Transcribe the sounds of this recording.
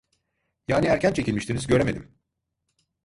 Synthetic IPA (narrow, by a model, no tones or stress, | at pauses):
jaːniæɾcʰænt͡ʃʰe̞cʰilʲmiʃt̪ʰinizɟø̞ɾeme̞d̪im